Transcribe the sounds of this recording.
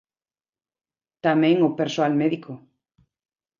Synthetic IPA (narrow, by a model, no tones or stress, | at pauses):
t̪amɛ̃ŋopeɾsoalmɛðikʰo